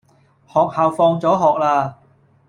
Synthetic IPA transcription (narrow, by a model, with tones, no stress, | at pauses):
hɔː˨˩k̚haː˨wfɔː˧ŋt͡sɔː˨˥ɦɔː˨k̚laː˧